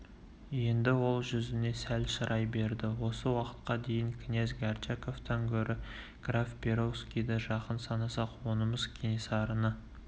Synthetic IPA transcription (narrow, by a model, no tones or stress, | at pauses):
je̞nd̪ɪwo̞lˠʒʏzɪne̞sælʃəɾʔɑjbe̞ɾd̪ɪwo̞səwɑqə̥t̪qɑd̪e̞jɪŋkʲʰɪnezɡart͡ʃako̞ft̪ɑŋkʲʰɵɾʔɪ | ɡ̥rafpʰʲe̞ɾo̞wskʲijd̪ɪʒɑqənsɑnɑsɑqwo̞nəməz̥kʲʰenesɑɾənə